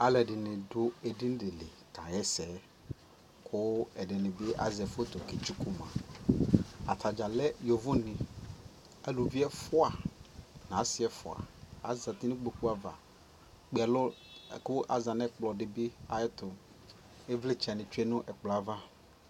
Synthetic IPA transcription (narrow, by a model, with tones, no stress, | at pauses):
a˨lɛ˨dɪ˨nɪ̃˨dʊ˦e˨di˦n˦dɪ˨lɪ˨ka̰˨jɛ˦sɛ˨˦ | kʰʊ˦ɛ˨dɪ˨nɪ̃˨bɪ˦ʔa̰˨zɛ˨fʊ˦t̪ʊ˨ke˨t͡ʃu˦ku˦mã̰˨ | a˨t̪ʰa˨d͡ʒa˨lɛ˦jo˨vʊ˦nɪ̃˨ | a˨lu˨vi˦ɛ˦fʊ˦a˨n˨ã˨˦sɪ˦ɛ˦fʊ̰˨a̰˨a̰˨za˨t̪i˦nɪ̃˦k͡po˨ɸu˦a˦˨va̰˨ | k͡pe˦˨ɛ˨lʊ˦˨kʊ˦ʔa˨za˨nɛ˦k͡plɔ˨dɪ˨bi˦a˨jɛ˦t̪ʊ˨ | e˦vlɪ˦t͡ʃɛ˨nɪ̃˨t͡ʃu˦ɛ˦nʊ̃˦ʔɛ˨k͡plɔ˨a˨va˦